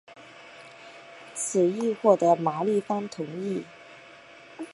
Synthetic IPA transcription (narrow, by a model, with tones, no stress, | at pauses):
t͡sʰɹ̩˨˩i˥˧xwɔ˥˩d̪ə˧˥ma˨˥li˥˩fɑ˥ŋt̪ʰʊ˧˥ŋi˥˩